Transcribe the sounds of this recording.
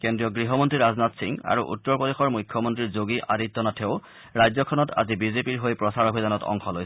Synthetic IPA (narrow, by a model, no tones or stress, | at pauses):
kendɹiɔɡɹiɦɔmɔntɹiɹaznatsiŋa̰ɹuʔṵtːɔɹpodexɔɹmujkʰjɔmɔntɹiɹzoɡiʔaditːɔnatʰeʊ | ɹajzɔkʰɔnɔta̰zibizepiɹɦojpɹɔsaɹobʱidanɔtɔ̰ŋxɔlojs